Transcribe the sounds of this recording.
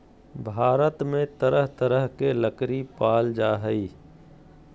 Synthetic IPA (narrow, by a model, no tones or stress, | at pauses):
bʱaːɾət̪mẽt̪əɾəɦt̪əɾəɦkeləkɾipaːld͡ʒaːɦəi